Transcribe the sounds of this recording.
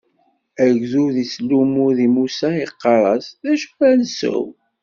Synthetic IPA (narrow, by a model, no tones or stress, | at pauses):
æʝðuðislumuðimusæiqːɑɾˤɑsðæʃə̥fænsə̰w